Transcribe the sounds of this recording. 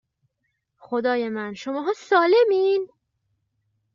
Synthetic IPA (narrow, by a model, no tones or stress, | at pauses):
xod̪ɒːjemænʃomɒːɦɒːsɒːle̞miːn